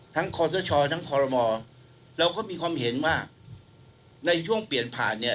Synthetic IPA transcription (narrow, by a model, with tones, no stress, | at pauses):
t̪ʰa˦˥ŋkʰɔː˧s̬ɔː˦˥t͡ɕʰɔː˧t̪ʰa˦˥ŋkʰɔː˧ɾɔ˧mɔː˧ | ɾɛ˧wkɔː˥˩miː˧kʰwaː˧mhe˩˦nwaː˥˩ | na˧jt͡ɕʰu˥˩əŋpli˨˩ənpʰa̰ː˨˩nːi˥˩